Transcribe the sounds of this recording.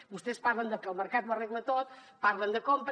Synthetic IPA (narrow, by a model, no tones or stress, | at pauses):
bust̪espaɾlənd̪əkəlˠməɾkat̪wəreɣlət̪ot̪̚paɾlənd̪əkompɾ